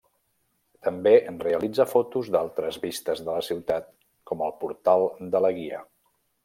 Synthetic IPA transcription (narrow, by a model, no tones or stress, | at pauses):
t̪əmbeʔənreəlid͡zəfɔt̪uzd̪alˠt̪ɾəzβist̪əzðələsiwt̪at̪̚ | kɔməlˠpuɾt̪alˠd̪ələɣiə̰